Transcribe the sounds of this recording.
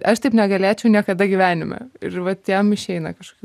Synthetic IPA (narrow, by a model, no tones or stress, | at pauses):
ɐʃt̪ɐɪpnʲɛɡɐlʲeːt͡ʃʲɛʊnʲiɛkɐd̪ɐɡʲɪʋʲæːnʲɪmʲɛ̰ɪ̰ɾʋɐt̪jɛmɪʃʲɛɪnɐkɐʃko̥kʲ